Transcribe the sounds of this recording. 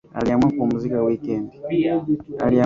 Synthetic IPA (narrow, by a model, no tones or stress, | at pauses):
a̰liamwakomuzikawikeːndi | a̰lia